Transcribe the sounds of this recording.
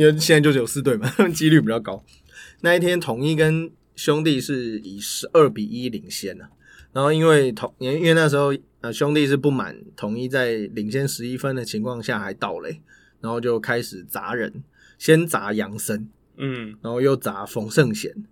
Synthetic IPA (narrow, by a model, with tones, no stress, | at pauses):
ɕjɛ˥na˥˧t͡ɕo˧˥˧jo˨˩sɹ̩˥˧t̪̬we˥˩ɪma˨˥mə˥t͡ɕi˥ly˥˩pi˨˩t͡ɕɑ˥˧ʊka˥ʊ | na˥˧i˥˩t̪ʰjɛ˥nt̪ʰʊ˨˩ŋi˥˧kə˦n | ɕjʊ˥ŋt̪̬i˥˧ʂɻ̩˥˩i˨˩ʂɻ̩˧˥ʔə˥˩pi˨˩ʔi˦li˨˩ŋɕjɛ˥˩nə˨˩ | na˨˦nxo˥˧ʊi˦nwe˥˩ɪt̪ʰo˨˩ŋ˨˥i˥nwe˥˧ɪna˥˩ʂ̬ɻ̩˧˥xo˥˧ʊ | ə˧ɕjʊ˥˦ŋt̪i˥˧ʂ̬ɻ̩˥˧pu˥˩ma̰˨˩nt̪ʰʊ˨˩ŋi˥˧t͡sa˥˩ɪli˨˩ŋɕjɛ˥nʂɻ̩˧˥i˦˥fə˦nd̪ə˨t͡ɕʰi˧˥ŋkʰwɑ˥˧ŋɕja˥˩xa˧˥ɪt̪ɑ˥˩ʊlə̰˨˦ | ɻa˧˥nxo˥˧ʊt͡ɕjo˥˩ʊkʰa˥ɪʂɻ̩˨˩t͡sa̰˧˥ɻə̰˧˥n | ɕjɛ˦˥nt͡sa̰˧˥jɑ˧˥ŋsə˦n | ɻa˨˧˥xo˥˧ʊjo˥˩ʊt͡sa˨˧˥fɔ˨˥ŋʂə˥˩ŋɕjɛ̰˨˩˦n